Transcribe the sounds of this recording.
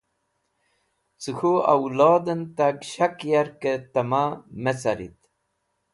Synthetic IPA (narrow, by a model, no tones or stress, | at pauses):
t͡sɨxua̰wlɑːd̪ənt̪aɡɕakjaɾkət̪ɐmamet͡saɾḭt̪